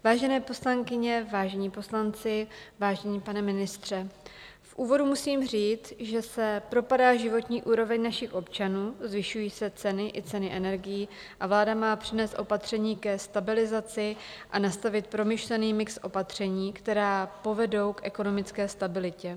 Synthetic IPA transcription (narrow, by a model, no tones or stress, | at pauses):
vaːʒɛnɛːpo̞slaŋkɪɲɛvaːʒɛɲiːpo̞slant͡sɪvaːʒɛɲiːpanɛmɪnɪst̪r̝̥ɛ | fʔuːvo̞dumusiːmr̝iːt͡sʒɛsɛpɾo̞padaːʒɪvo̞t̪ɲiːʔuːɾo̞vɛɲnaʃɪxʔo̞pt͡ʃanuːzvɪʃujiːsɛt͡sɛnɪʔɪt͡sɛnɪʔɛnɛɾɡɪjiː | ʔavlaːdamaːpr̥ɪnɛːst̪ʔo̞pat̪r̝̥ɛɲiːkɛst̪abɪlɪzat͡sɪʔanast̪avɪt̪̚pɾo̞mɪʃlɛniːmɪksʔo̞pat̪r̝̥ɛɲiːkt̪ɛɾaːpo̞vɛdo̞wkʔɛko̞no̞mɪt͡skɛːst̪abɪlɪcɛ